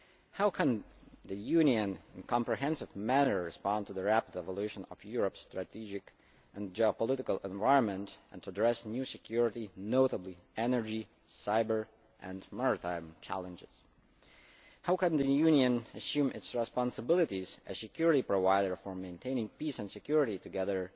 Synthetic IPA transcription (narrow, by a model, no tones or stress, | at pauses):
haʊkʰə̃nðɨjʉniɨ̃nɪ̃nkʰɑ̃mpɹɨɦɛ̃nsɨvmænə˞ɹɨspɑ̃ntuðəɹæpədɛvəlˠʉʃə̃nʌ̰vjʊɹəpstɹɨtʰid͡ʒɪk | ʔɨ̃nd͡ʒiəpəlɪɾɨkəlˠɛ̃ɱvaɪɹə̃nmə̃ntɨ̃ntʰːdɹɛsnjʉsɨkʰj̥ʊɹɨɾinoʊtəbliɛnə˞d͡ʒi | saɪbə˞ | ʔɨ̃nmɑɹɨtʰãɪ̃mt͡ʃʰæ̰lˠə̃nd͡ʒɪz̥ | haʊkɨ̃nðɨjʉniɨ̃nɨsjũmɪtsɹɨspɑ̃nsəbɪlˠɨɾizɨz̥sɨkʰj̥ʊɹɨɾipɹovaɪɾə˞fə˞mẽɪ̃ntʰẽɪ̃nɪ̃ŋpisə̃nsɨkj̥ʊɹɨɾitɨɡɛðə˞